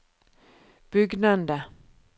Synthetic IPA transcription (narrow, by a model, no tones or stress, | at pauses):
b̥ʏɡnand̪ə